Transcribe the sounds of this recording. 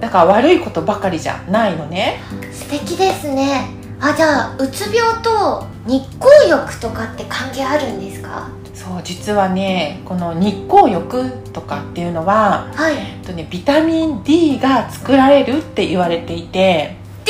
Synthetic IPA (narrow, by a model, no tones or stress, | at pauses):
nãŋkaβaɾɯ̟iko̞t̪o̞bakaɾʲiʑa̰naino̞ne̞sɨ̥t̪e̞kʲid̪e̞sɨne̞ | ad͡ʑaːɯ̟t͡sɨbʲo̞ːt̪o̞ | ɲ̟ikːoːjo̞kɯ̟̥t̪o̞kat̪ːe̞kãŋɡe̞ːaɾɯ̟̃nd̪e̞sɨ̥ka̰ | so̞ːd͡ʑit͡sɨβane̞ko̞no̞ɲ̟ikːo̞ːjo̞kɯ̟t̪o̞kat̪ːe̞jɯ̟no̞βahait̪ːo̞ne̞bʲit̪amʲĩnd̪ʲiːɡat͡sɨ̥kɯ̟ɾaɾe̞ɾɯ̟t̪ːe̞ʔiβaɾe̞t̪e̞it̪e̞